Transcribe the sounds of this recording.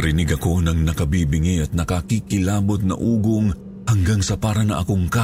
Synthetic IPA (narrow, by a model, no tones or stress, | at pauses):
ɾɪnɪɡɐko̞nɐŋnɐkɐbiːbɪŋiʔɐt̪̚nɐkɐkikɪlaːbot̪̚nɐ̰ʔuːɡoŋ | hɐŋɡaŋsɐpaːɾɐnɐ̰ʔɐ̰koŋka